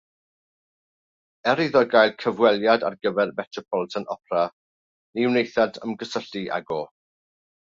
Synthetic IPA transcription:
ɛɾiðɔɡajlˠkʰəvwɛlˠjada̰rɡəvɛrmɛtʰɔpʰɔlˠtʰənɔpʰra | niwnejθadə̰mɡəsəɬiʔa̰ɡoː

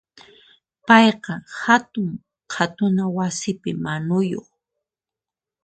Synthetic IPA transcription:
pɑjqɑhat̪ʊŋ | qʰat̪ʊnawasɪpɪmanʊjo̰χ

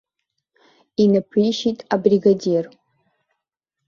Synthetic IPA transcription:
inɨpʰijʃitʼabriɡadir

